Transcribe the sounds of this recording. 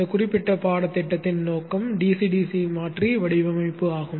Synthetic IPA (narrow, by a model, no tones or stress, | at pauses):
ɐkʊrɪpːɪʈːɐpaːɽɐt̪ːɛʈːɐt̪ːɪnnoːkːɐmɖiːsiɖiːsimaːʈriʋɐɽɪʋɐmɐɪpːɯaːɣɯm